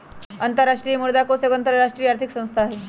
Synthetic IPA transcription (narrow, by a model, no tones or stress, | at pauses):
ənt̪əɾːaʂʈɾiːmuɽd̪akoseɡənt̪əɾɾaʂʈɾiːaɾt̪ʰiksə̃w̃st̪ʰaːɦe